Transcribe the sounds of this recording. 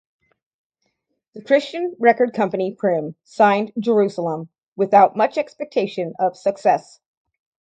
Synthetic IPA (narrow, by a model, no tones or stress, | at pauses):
ðɨkʰɹ̥ɪst͡ʃɨ̃nɹɛkə˞d̚kʰʌ̃mpɨnipʰɹ̥ɪ̃m | sãɪ̃nd͡ʒə˞ʉsl̩ˠə̃m | wɨθaʊt̚mʌt͡ʃɛkspɛk̚tʰeɪʃɨ̃nʌv̥sɨksɛs